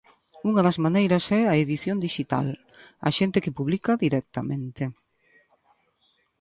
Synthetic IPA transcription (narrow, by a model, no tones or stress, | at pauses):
uŋɐðɐzmanejɾɐsɛɐeðiθjond̪iʃit̪a̰l | ɐ̰ʃent̪ɪkɪpuβlikɐðiɾɛk̚t̪amẽnt̪ɪ